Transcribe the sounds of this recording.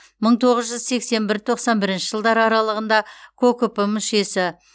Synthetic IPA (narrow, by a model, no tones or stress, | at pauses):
məɴt̪ʰo̞ʁəzʒʏzse̞kse̞mbɪɾt̪ʰo̞qsɑnbɪɾɪnʃɪʒəlˠd̪ɑɾɑɾɑlˠəʁənd̪ɑkʰokopəmʏʃe̞sɪ